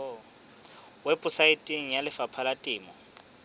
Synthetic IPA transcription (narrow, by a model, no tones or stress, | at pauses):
wɛpʼʊsaitʼiŋ̩jalɪfapʰalatʼɪːmɔ